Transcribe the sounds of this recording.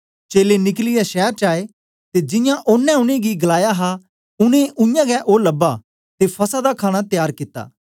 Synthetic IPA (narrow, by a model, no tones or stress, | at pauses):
t͡ʃeːlenɪklɪjɛʃɛːɾt͡ʃaːe | t̪ed͡ʒɪjãʔʊnːɛ̃ʊñẽɡiɡɐlaːjaɦa | ʊnẽʔʊjãɡɛʔoːlɐbːa | t̪epʰɐsad̪akʰaːɽ̃at̪ɪjaːɾkɪt̪ːa̰ː